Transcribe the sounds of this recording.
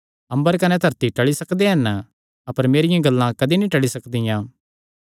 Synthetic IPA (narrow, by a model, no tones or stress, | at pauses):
ɐ̃mbəɾkɐnɛd̪ʱɐɾt̪iʈɐɭisɐkd̪eɦɐn | ɐpəɾmeːɾɪjãɡɐlːãkɐd̪inĩʈɐɭisɐkd̪ɪjãː